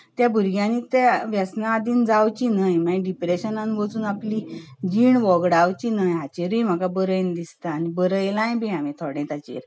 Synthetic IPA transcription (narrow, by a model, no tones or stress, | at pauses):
t̪jabʱuɾɡjãnit̪eʋjasnaːd̪iːnd͡zawt͡ɕinajmaɖipɾeɕənãnʋət͡suːnaplid͡ʑiːɳʋɔɡɽawt͡ɕinajat͡ɕeɾəjm̤akabəɾəjnd̪ist̪aːnibəɾəjlãjbiamẽt̪ʰɔɽẽt̪at͡ɕḛɾ